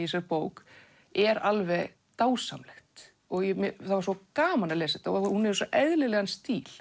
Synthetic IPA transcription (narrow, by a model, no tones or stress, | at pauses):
isɛpoːwk | ɛɾalvɛɣ | t̪aːwsa̰mlɛxt̪ | ɔɣjɛmθavaɾsɔkaːmanaleːsɪt̪aɔhunɛɾsɔʔɛðlɪlɛɣanst̪iːl̥